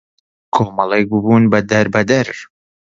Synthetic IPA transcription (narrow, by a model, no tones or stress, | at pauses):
kʰoːmɐlˠejkbɨbunbɐd̪ɐɾbɐd̪ɐɾ